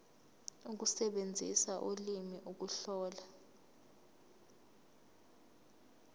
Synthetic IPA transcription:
uk̬usɛɓend͡zʱḭsaʔolimiʔuk̬uɬɔːla

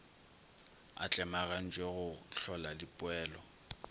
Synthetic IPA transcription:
a̰t͡ɬʼɛmaɣan̩t͡ʃʼweɣʊɬɔlalɪpʼʊɛːlɔ

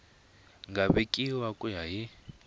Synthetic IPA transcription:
ŋɡʱaɓekʼiwakʼujaɦi

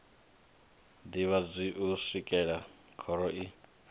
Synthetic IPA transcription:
diβad͡zʷiʔusikʼɛɺa | kʰɔɾɔʔi

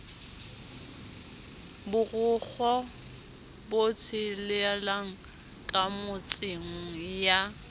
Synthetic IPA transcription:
bʊrʊk͡xʰɔ | bot͡sʰɪlɪalaŋ̩ | kʼamʊt͡sʼɪŋ̩ja

